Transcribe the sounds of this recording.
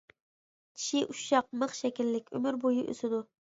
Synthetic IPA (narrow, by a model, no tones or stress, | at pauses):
t͡ʃʰi̥ʃiʔuʃʃɑq̚məχʃɛkʲilːɪkʲø̰myɾbojuʔø̰sɪd̪ʊ